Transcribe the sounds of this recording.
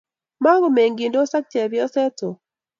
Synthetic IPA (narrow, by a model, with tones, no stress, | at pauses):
ma˦ɡo˨me˨ŋɡi˨ndo˦sa˦k̚t͡ʃɛ˨bjɔ˦sɛ˦to˨